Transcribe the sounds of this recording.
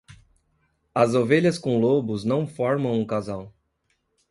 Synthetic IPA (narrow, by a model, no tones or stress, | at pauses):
ɐzoveʎɐskõlobʊznɐ̃w̃fɔɾmɐ̃w̃ũkazaw